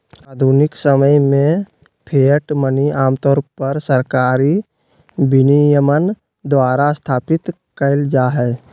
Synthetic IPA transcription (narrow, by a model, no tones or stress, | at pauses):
aːd̪ʱunɪksəməjmẽ | pʰeːʈməniaːmt̪ɔːɾpəɾsəɾkaːɾi | bɪnijəmən | d̪ʋaːɾast̪ʰaːpɪt̪ | kəɪld͡ʒaːɦɛː